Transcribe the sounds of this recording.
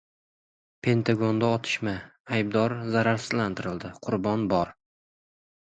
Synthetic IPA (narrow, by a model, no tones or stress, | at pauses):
pʰe̞nt̪ʰaɡond̪aɒt̪ʰɪ̥ʃmaːjb̚d̪ɒɾzaɾaɾsɪzlant̪ʰɪɾɪld̪ɪqʰʊɾbɒnbɒɾ